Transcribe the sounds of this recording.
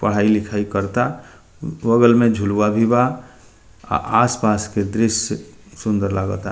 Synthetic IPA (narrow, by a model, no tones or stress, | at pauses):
pəɽ̤ailɪkʰaikəɾt̪a | ʋəɡəlmẽd͡ʒʱuluwabʱiba | a̰ʔaspasked̪ɾɪs | sʊ̃nd̪əɾlaɡət̪a